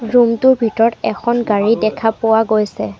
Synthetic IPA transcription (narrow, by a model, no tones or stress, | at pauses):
ɹumtʊɹbʱitɔɹɔtɛkʰɔnɡaɹidɛkʰapʊwaɡojsɛ